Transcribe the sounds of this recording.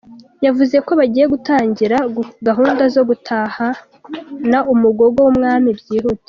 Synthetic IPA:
javuze̞ko̞βaɟiːjeɡutaːɲɟiɾaɡaɦuːndazo̞ɡutʰaːha | naʔumuɡo̞ɡo̞wumŋaːmibɟiːɦute̥

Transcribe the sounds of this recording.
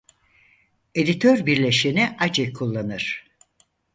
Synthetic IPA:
e̞d̪it̪ʰøɾbiɾlʲe̞ʃiniʔad͡ʒɛkʰulˠːanɯɾ̥

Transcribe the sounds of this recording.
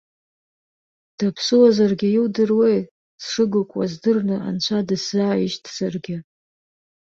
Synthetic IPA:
d̥apʰsɨwazarɡʲɪjɪwdɨrwej | sʂɨɡɨkʷʼazdɨrnɨa̰nt͡ʃʷʰadɨszaːiʃtʰʼz̥arɡʲɪ

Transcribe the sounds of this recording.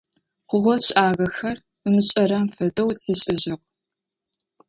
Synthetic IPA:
χʷʊʁʷɔɕʔaːɣɐxɐr | ɨmɨɕʼɐɾɐmfɐdɐwsiːɕʼɪʑɪq̚

